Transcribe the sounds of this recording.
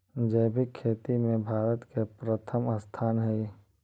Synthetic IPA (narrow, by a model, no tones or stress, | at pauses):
d͡ʒəbʱikʰːeːt̪imẽbʱaːɾət̪kepɾət̪ʰəmast̪ʰaːnɦɛi